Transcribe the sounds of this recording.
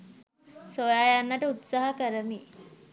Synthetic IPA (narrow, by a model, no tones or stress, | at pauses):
sojaːjanːaʈəut̪saːɦəkəɾəmi